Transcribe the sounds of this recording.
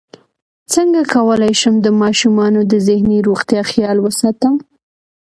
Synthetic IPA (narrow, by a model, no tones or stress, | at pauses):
t͡səŋɡakawəlajʃəmd̪əmɑʃumɑnod̪əzɪhniɾoɣt̪jɑxjɑlwəsɑt̪əm